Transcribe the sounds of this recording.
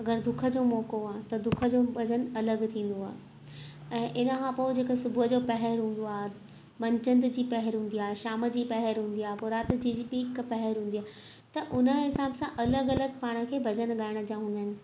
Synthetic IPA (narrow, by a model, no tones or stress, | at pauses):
ɐɡəɾd̪ʊkʰə̆d͡ʑoːmɔːkoaːɦt̪ɐd̪ʊkʰə̆d͡ʑobʱɐd͡ʑənɐləɡt̪ʰĩːn̆d̪oa̰ːɦe | ɛ̃ːʔɪnəkʰãpoːd͡ʑeːkesʊbʱuəd͡ʑoːpɐɦɛɾɦũːn̆d̪oaːɦ | mɐ̃ɲt͡ɕə̃nd̪d͡ʑiːpɐɦəɾɦũːn̆d̪iaːeʃaːməd͡ʑiːpɐɦəɾɦũːnd̪ijaːɦpʊɾaːt̪d͡ʑiːd͡ʑiːpiːkpɐɦɛɾɦũːnd̪iaːɦ | t̪ɐʔʊnə̆ɦɪsaːbsãʔɐləɡɐləɡpaːɽ̃ə̆kʰeːbʱɐd͡ʑənɠaːɪɽ̃̆d͡ʑijãɦũːn̆d̪əːnɪ̆